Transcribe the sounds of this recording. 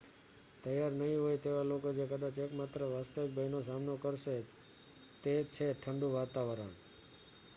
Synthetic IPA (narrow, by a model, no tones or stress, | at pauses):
t̪əjaɾnəɦĩɦojt̪eʋalokod͡ʒekəd̪at͡ʃekmat̪ɾəʋast̪əʋik̚bʱəjnos̬amnokəɾʃe | t̪et͡ʃʰeʈʰəɳɖũʋat̪aʋəɾə̰ɳ